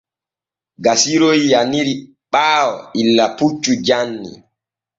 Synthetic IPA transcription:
ɡasiɾojijaniɾi | ɓaːwɔ̰ilːaput͡ʃːud͡ʒanːḭ

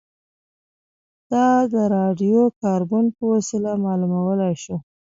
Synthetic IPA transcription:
d̪̥ɑd̪əɾɑɖijokɑɾbonpəwasɪlamɑlumawəlajʃo

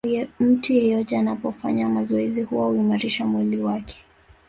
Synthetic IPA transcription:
ɛm̩tujɛjɔtɛanapɔfa̰ɲamazɔɛzihuwahuimaɾiʃamwiliwakʰɛ̥

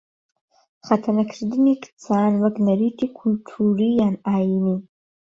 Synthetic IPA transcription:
χatʰanakʰrdɨmikʼt͡sʰaːnwakʼnaɾitʰikʷʰːultʰurijanajni

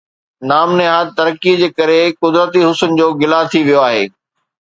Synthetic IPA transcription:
naːmneɦaːt̪ɐɾəkid͡ʑeːkɐɾekʊd̪ɾət̪iɦʊsʊnɪ̆d͡ʑoːɡɪlat̪ʰiʋijoaːɦḛː

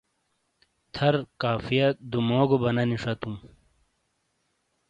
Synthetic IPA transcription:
t̪ʰɐɾkaːfijɐd̪umoːɡobɐnɐniʂɐt̪um

